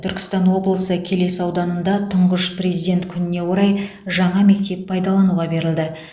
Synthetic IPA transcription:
t̪ʰʏɾkʲɪ̥st̪ɑnwo̞blˠəsəkʲʰe̞le̞sɑwd̪ɑnənd̪ɑt̪ʰʊɴʁəʃprezijd̪ʲe̞nt̪kʲʰʏnɪne̞wo̞ɾɑj | ʒɑɴɑme̞k̚t̪e̞ppʰɑjd̪ɑlˠɑnuʁɑbe̞ɾɪld̪ɪ

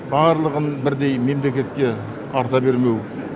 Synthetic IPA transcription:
bɑɾlˠəʁənbɪɾd̪e̞jme̞mle̞kʲe̞t̪̚kʲe̞ | ɑɾt̪ɑbe̞ɾme̞w

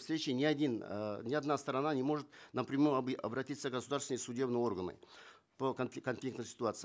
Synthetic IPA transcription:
fsɾʲet͡ɕɪnʲɪɐdʲinnʲɪɐd̪nast̪əɾɐnanʲɪmo̞ʐɨt̪nɐpɾʲɪmujɐɐbɾɐtʲit̪səɡəsʊd̪aɾrsvʲɪnəjsʊdʲe̞bnɨjo̞rɡənɨ̰ | pəknʲkɐnflʲikt̪nɨjsʲɪ̥t̪ʊat̪sɨ

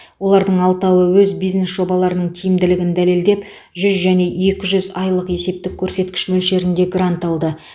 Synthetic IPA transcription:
wo̞lˠɑɾd̪əɴɑlˠt̪ɑwəwɵzbijzne̞sʒo̞bɑlˠɑɾənəɴt̪ʰijɪmd̪ɪlɪɡʲɪnd̪æle̞ld̪e̞p | ʒʏzʒæne̞ʔe̞kʲɪʒʏzɑjlˠəqe̞se̞p̚t̪ɪkʲʰːɵɾse̞t̪kʲɪ̥ʃmɵlʃe̞ɾɪnd̪e̞ɡrant̪ɑlˠd̪ə

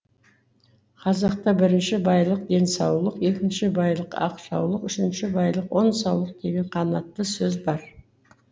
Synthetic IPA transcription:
qʰɑzɑq̚t̪ɑbɪɾɪnʃɪbɑjlˠəq̚d̪e̞nsɑwlˠəqe̞kʲɪnʃɪbɑjlˠəqɑ̰qʃɑwlˠəqʏʃɪnʃɪbɑjlˠəqwo̞nsɑwlˠəq̚d̪e̞ɡʲe̞ɴqʰɑnɑt̪ːəsɵzbɑɾ

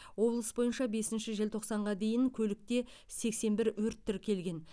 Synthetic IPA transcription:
wo̞blˠəsbo̞jənʃɑbe̞sɪnʃɪʒelt̪ʰo̞qsɑɴʁɑd̪e̞jɪŋkʲʰɵlɪk̚t̪e̞ | se̞kse̞nbɪɾwɵɾt̪ʰːɪɾkʲʰe̞lɡʲe̞n

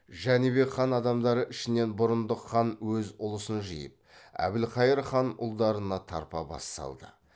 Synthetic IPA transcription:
ʒænibe̞kχɑnɑd̪ɑmd̪ɑɾəʔɪʃɪne̞nbʊɾənd̪əqχɑnwɵzʊlˠəsənʒḭjəp̚æ̰bɪlqʰɑjəɾχɑnʊ̰lˠd̪ɑɾənɑt̪ʰɑ̰ɾpɑ̰bɑ̰st̪ɑ̰lˠd̪ə̰

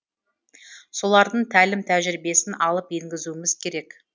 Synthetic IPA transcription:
so̞lˠɑɾd̪əɴt̪ʰælɪmt̪ʰæʒɪɾbe̞sɪnʔɑlˠəpje̞ŋɡʲɪzuɪmɪzkʲʰe̞ɾe̞k

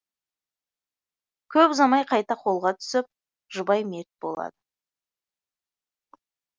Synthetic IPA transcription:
kʲʰɵpzɑmɑjqʰɑjt̪ɑqʰo̞lˠʁɑt̪ʰʏ̥sɪp̚ | ʒʊbɑjmeɾt̪̚bo̞lˠɑ̰d̪ə

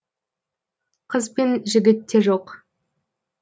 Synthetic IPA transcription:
qʰəzpenʒɪɡʲɪt̪ːe̞ʒoq

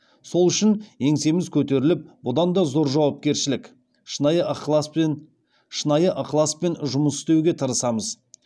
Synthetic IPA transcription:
so̞lˠʏʃɪne̞ŋse̞mɪzkʲʰɵt̪e̞ɾɪlɪp̚bʊd̪ɑnd̪ɑzo̞ɾʒɑwɑp̚kʲe̞ɾʃɪlɪkʲ | ʃjəq | ʃənɑjəʔɑqlˠaspe̞nʒʊməsɪ̥st̪e̞wɡʲe̞t̪ʰɑɾəsɑməz

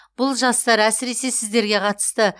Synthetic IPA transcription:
b̥ʊlˠʒɑst̪ɑɾæsɪɾe̞se̞sɪzd̪e̞ɾɡʲe̞qʰɑt̪ə̥st̪ə

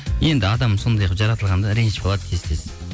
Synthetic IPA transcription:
je̞nd̪ɪɑd̪ɑmso̞nd̪ɑjɑqʒɑɾɑt̪əlˠʁɑnd̪ɑɾeŋʃbolˠɑd̪əkʲʰest̪e̞sɪ̥

